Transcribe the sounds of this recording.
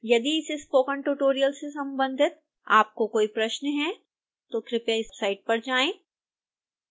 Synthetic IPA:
jɐd̪iɪsespoːkənʈuːʈoːɾijəlsesɐ̃mbə̃nd̪ʱɪt̪̚ | aːp̚kokoːipɾɐʃnɦɛ | t̪okɾɪpeɪspsaːɪʈ̚pɐɾd͡ʒaːẽː

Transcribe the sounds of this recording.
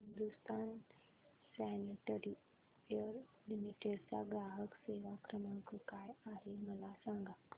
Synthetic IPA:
ɦɦind̪ust̪an | sæniʈəɾi | əɾ | luniʈeɾt͡sa̰ɡɾaɦəkseʋakɾəməkkajaɦeməlasãŋɡa

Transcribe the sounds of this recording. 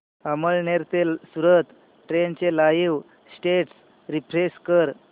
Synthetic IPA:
əməɭneɾt̪elsuɾət̪ | ʈɾent͡ɕelajiw | sʈeʈs | ɾipʰɾeskəɾ

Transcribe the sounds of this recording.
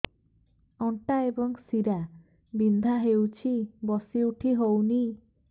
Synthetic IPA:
ɔɳʈaebɔŋsiɾa | bind̪ʱaɦewt͡ʃʰibɔsiuʈʰiɦowni

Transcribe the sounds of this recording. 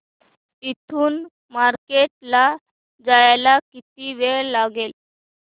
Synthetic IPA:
it̪ʰuːn | maɾkeʈ̚la | d͡zajlakit̪̚iʋeɭlaɡel

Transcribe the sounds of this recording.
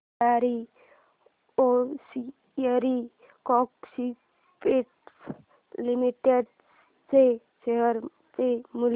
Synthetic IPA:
aɾi | osi | əɾi | kɔksi | peʈs | limiʈeɖ | t͡se | seɦəɾ | t͡semul

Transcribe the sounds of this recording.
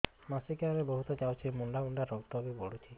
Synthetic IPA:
masikaɾebɔɦut̪ɔd͡ʒawt͡ʃʰimuɳɖauɳɖaɾɔkt̪ɔbibɔɽut͡ʃʰi

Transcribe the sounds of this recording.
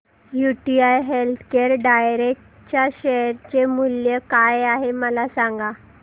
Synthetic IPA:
juʈiajɦelt̪ʰkeɾɖajɾek̚ʈ | t͡ɕjaɕeɾt͡ɕemuljəkajaɦeməlasaŋɡa

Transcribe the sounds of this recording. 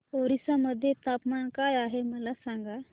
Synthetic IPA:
oɾisaməd̪ʱːjet̪apmankajaɦeməlasaŋɡa

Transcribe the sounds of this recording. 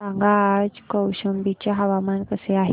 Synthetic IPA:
aŋɡad͡ʑkəwɕəmbit͡ɕaɦaʋamankəseaɦ

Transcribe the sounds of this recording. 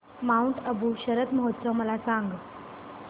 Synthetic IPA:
mauɳʈəbʱuɕəɾət̪məɦot̪ːsəməlasaŋɡ

